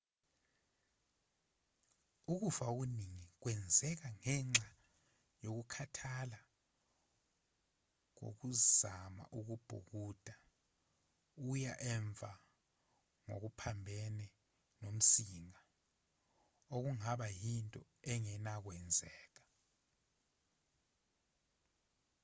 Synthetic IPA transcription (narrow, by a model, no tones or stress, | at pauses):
uk̬ufaok̬uniŋik̬wɛnd͡zʱɛk̬aŋɛŋ͡ǁa | jok̬ukʰatʰala | k̬o̰k̬uzama̰ʔuk̬ub̥ʱṵk̬uːd̥ʱa | ujaʔɛɱvʱa | ŋo̰k̬upʰambʱɛnɛ | nom̩siŋa | ok̬uŋaɓajintʼɔ | ɛŋɛnak̬wɛnd͡zʱɛːk̬ḁ